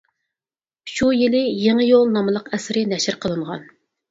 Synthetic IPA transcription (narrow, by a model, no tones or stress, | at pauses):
ʃujilɪjeŋəjolˠnɑmɨlˠəqɛsɪɾɪnɛʃɪɾqʰəlˠɨɴʁɑ̰n